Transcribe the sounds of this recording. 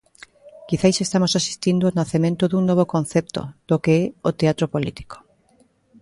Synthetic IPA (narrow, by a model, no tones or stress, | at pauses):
kiθajsest̪amosasi̥st̪ind̪ʊonaθemẽnt̪oðuŋnoβ̞okõnθɛp̚t̪o̰d̪̥okeɛot̪eat̪ɾopolḭt̪i̥ko̥